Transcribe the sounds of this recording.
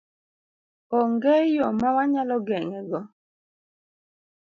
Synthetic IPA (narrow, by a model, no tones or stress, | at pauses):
ɔŋɡejɔmawaɲalɔɡɛŋɛɡɔ